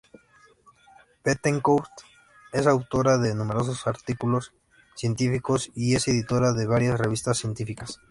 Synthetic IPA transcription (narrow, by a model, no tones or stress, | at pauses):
pet̪eŋkowst̪ | e̞sawt̪o̞ɾaðe̞nũme̞ɾo̞s̬osaɾt̪ikulo̞s | sje̞nt̪ifiko̞sie̞se̞ðit̪o̞ɾaðe̞βaɾjasre̞β̞ist̪asːje̞nt̪ifikas